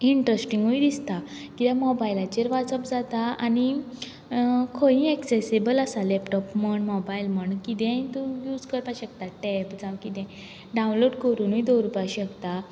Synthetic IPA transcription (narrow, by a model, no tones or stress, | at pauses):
iɳʈɾəsʈiŋɡuid̪ist̪a | kit̪jamɔbailat͡ɕeɾʋasəpd͡zat̪aani | kʰojĩɛksesebəlasalɛpʈɔpməɳmɔbailməɳkit̪ɛ̃t̪ujuːd͡zkəɾpaɕək̚t̪aʈɛpd͡zãwkit̪ɛ̃ | ɖãw̃nloɖkəɾuːnuid̪oɾupaɕəkt̪a